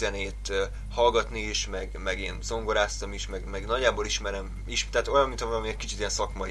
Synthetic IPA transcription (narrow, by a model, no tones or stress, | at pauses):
ɛneːt̪ː | hɒlɡɒt̪niiʃmɛɡmɛɡeːnzo̞ŋɡo̞ɾaːst̪ɒmiʃmɛɡmɛɡnɒɟːaːboːliʃmɛɾɛm | iʃt̪ɛːt̪o̞jɒnmint̪ʰɒmmiɛcʲkit͡ʃit̪ijɛnsɒkmɒ